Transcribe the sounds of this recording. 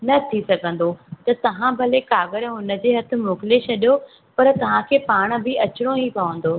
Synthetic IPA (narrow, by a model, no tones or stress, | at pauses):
nɐt̪ʰisɐɡʱə̃n̆d̪ot̪ɐt̪ɐʋ̤ãbʱɐlekaːɣəɾɦʊnə̆d͡ʑeːɦɐt̪ʰɪ̆moːkɪlet͡ɕʰɐɗijo | pɐɾt̪ɐʋ̤ãkʰeːpaːɽ̃̆bɪɐt͡ɕɪɽ̃õɦipɐʋə̃n̆d̪oː